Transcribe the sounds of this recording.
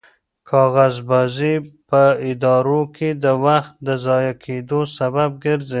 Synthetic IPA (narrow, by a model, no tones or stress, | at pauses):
kʰɑɣazbɑzipəɪd̪ɑɾokʰed̪əwaxt̪̚d̪əzɑjakʰed̪osabab̚ɡəɾze